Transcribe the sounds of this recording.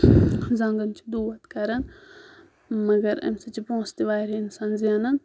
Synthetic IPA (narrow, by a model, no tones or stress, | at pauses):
zɐŋɡɐnt͡ʃʰid̪uːʋɐt̪kɐɾɐn | mɐɡɐɾɐ̰msɐt͡ʃipõːst̪iʋaːɾiinsaːnziɐnɐn